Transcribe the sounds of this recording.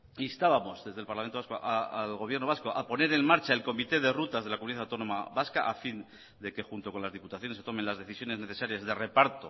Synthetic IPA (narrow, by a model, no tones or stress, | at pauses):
iest̪aβamo̞zðe̞zðe̞lpaɾlamenasko̰ʔaalɣo̞β̞jeɾnoasko̞ʔapo̞ne̞ɾe̞nmaɾt͡ʃae̞lko̞mit̪e̞ð̞e̞rut̪azðelakomuniaθawt̪o̞nõ̞maβaskaʔafin | d̪e̞ke̞xunt̪o̞konlazðiput̪aθjonsːe̞t̪o̞me̞nlazðe̞θisjo̞ne̞zne̞θe̞saɾjazðe̞re̞paɾt̪o̞